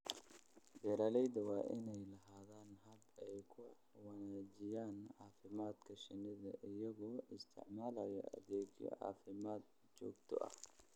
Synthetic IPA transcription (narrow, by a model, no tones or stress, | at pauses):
bɛːɾɐːlɛjd̪ɐwɑːʔɪnɛjlɐɦaːðaːnɦɐbɛjkʰʊ | wɑnaːd͡ʒɪjaːnʕɑːfɪmaːd̪kʰɐʃɪnɪðɐʔɪjɐɣɔɪst̪ʰɪ̰ʕmaːlɐjɔ̰ʔɐ̰ðɛːd͡ʒjɔ̰ʕɑ̰ːfɪmaːd̪̚ | t͡ʃɔ̰ːɡt̪ʰɔ̰ʔɐ̰h